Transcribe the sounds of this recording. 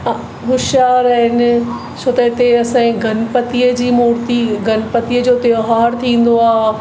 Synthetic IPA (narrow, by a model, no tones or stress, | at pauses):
ɦʊʃjaːɾɪn | t͡ɕʰoːt̪ɐɪt̪eɐsãːĩɡʱɐnpɐt̪iːəd͡ʑiːmoːɾt̪iɡʱɐnpət̪iːəd͡ʑoːt̪eoɦaːɾt̪ʰĩːn̆d̪oaːɦ